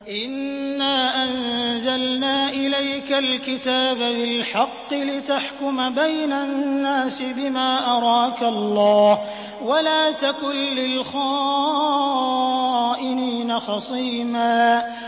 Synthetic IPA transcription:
ʔɪnːaːʔanzalnaːʔɪlajkalkɪt̪aːbabɪlħɑqːɨlɪt̪aħkʊmabajnanːaːsɪbɪmaːʔɑɾˤɑːkalˤːɑːh | walaːt̪akʊnːɪlxaː | ʔɪniːnaxɑsˤiːmaː

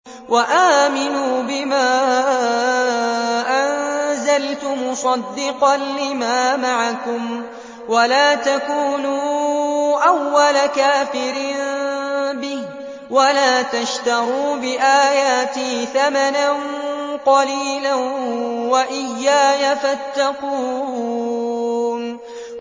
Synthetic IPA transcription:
wʔaʔaːmɪnuːbɪmaː | ʔanzalt̪ʊmʊsˤɑd̪ːɪqɑnlɪmaːmaʕakʊm | walaːt̪akuːnuː | ʔawːalakaːfɪɾn | bɪh | walaːt̪aʃt̪ɑɾuːbɪʔaːjaːt̪iθamananqɑliːlanwaʔɪjːaːjafat̪ːɑquː | n

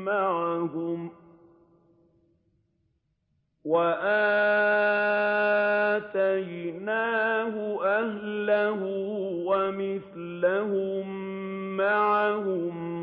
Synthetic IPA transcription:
maʕaɦʊm | waʔaː | t̪ajnaːhʊʔahlaɦʊwamɪθ | lahʊmː | aʕahʊm

